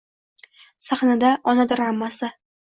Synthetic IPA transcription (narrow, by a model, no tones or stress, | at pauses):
saχnad̪aʔɒnad̪ʊɾamːasa